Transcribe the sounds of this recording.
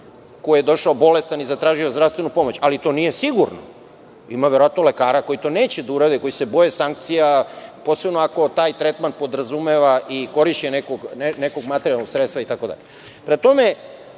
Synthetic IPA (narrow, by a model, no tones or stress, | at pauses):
ko̞jijed̪o̞ʃaobo̞le̞st̪anizat̪ɾaːʒio̞zd̪ɾafst̪ʋe̞nupo̞mo̞t͡ɕalit̪o̞nijesiɡuɾno̰ | imaʋeɾoat̪no̞le̞kaːɾako̞jit̪o̞ne̞ːt͡ɕed̪auɾad̪iko̞jise̞bo̞jesaŋkt̪sijapo̞ːse̞bnoako̞t̪aːjt̪ɾet̪manpo̞d̪ɾazumeʋaʔiko̞ɾiʃt͡ʃenekoɡenekoɡmat̪eɾialnoɡsɾet̪st̪ʋait̪ako̞d̪a̰ʎe | pɾet̪o̞me